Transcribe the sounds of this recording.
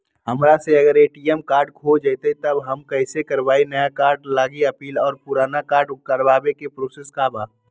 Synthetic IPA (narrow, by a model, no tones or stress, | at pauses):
ɦəmɾaseəɡəɾeːʈiɛmkaːɾɖkʰod͡ʒəɪt̪eit̪əbɦəmkəɪsekəɾbaːinəjakaːɾɖlaːɡiəpiːlɔːɾpʊɾaːnakaːɾɖkəɾbaːbekepɾoːseskabaː